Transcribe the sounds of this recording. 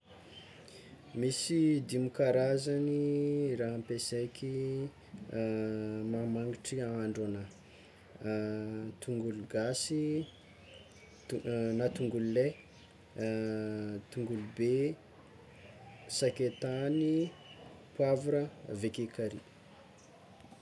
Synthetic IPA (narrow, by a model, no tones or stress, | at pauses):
misid̪imikaɾazaniraɦampesekʲʰi | mamaŋɡiʈ͡ʂiaaɳɖ͡ʐana | t̪uŋɡuluɡasi | nat̪uŋɡulle | t̪uŋɡulube | saket̪ani | pwavuɾəvekekaɾi